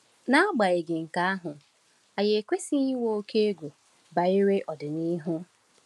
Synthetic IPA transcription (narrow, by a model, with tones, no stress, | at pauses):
na˦ɡ͡ba˨ɪ˨ɡɪ˨ŋ̩˨ka˨˦a˦ɦʊ˨ | a˨je˨kʷe˦si˦ɲi˦wo˦o˦ke˦e˦ɡʷu˨ | ba˨i˦ɾe˦ʔɔ˨dɪ˨ni˦ɦʊ˦